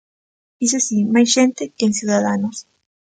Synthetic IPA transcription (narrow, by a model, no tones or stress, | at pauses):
is̬esimasʝent̪ekeensjuðaðanos